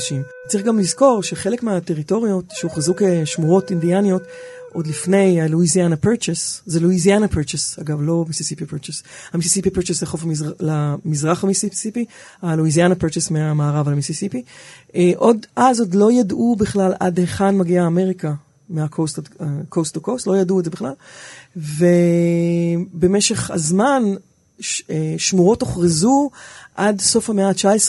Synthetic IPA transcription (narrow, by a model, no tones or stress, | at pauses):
ʃim | t͡sʁiχɡamlizko̞ʁʃe̞χe̞lekmeate̞ʁito̞ʁio̞tʃeuχazukeʃmuʁo̞tindianijo̞t | ʔo̞dlifne̞jaluizianapeʁt͡ʃeszeluizianapeʁt͡ʃesaɡavlo̞misisipipet͡ʃeshamisisipipeʁt͡ʃesleχo̞famlamizʁaχamisisipi | aluizianapeʁt͡ʃesmeamaːʁavalamisisipieʔo̞dʔazodlo̞jadʔubiχlalʔa̰dheχanmaɡiaːme̞ʁika | meakʰostadkostokostlo̞jaduedzebiχlal | ve | bemeʃe̞χha̰zman | eʃmuʁo̞toχʁizuʔadso̞fhameaːt͡ʃaesʁ